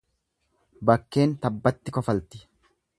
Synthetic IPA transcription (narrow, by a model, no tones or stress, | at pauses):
bɐkːe̞ːnt̪ɐbːɐt̪ːɪkɔfɐlt̪ɪ̥